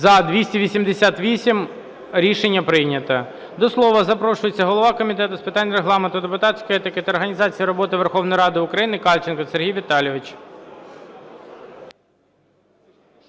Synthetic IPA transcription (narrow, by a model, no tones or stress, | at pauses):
zɐd̪ʋʲisʲtʲiʋʲisʲimd̪esʲat̪ʋʲisʲim | ɾʲiʃenʲːɐpɾɪjnʲɐt̪ɐ | d̪ɔslˠɔʋɐzɐpɾɔʃʊjet͡sʲːɐɦɔlˠɔʋɑkɔmʲit̪̬ɛt̪ʊspɪt̪ɑnʲːɾeɦlˠɑment̪ʊd̪epʊt̪ɑt̪sʲkɔjɛt̪ɪkɪt̪ɐːɾɦɐnʲizɑt͡sʲijiɾɔbɔt̪ɪʋerxɔwnɔjɾɑd̪ɪʊkɾɐjinɪkɑlʲt͡ʃɪnkɔserɦijʋʲit̪ɑlʲjiʋɪt͡ʃ